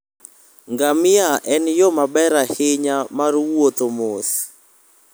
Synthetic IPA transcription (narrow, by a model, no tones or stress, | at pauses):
ŋɡamɪaʔɛnjɔmabɛɾahɪɲamaɾwot̪omos